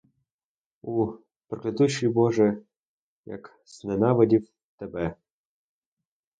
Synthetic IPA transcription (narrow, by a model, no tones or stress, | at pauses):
u | pɾeklʲˠɪt̪uʃʲijbɔʒɛ | jɐ̰k | z̥nenɑʋɐdʲiw | t̪ebɛ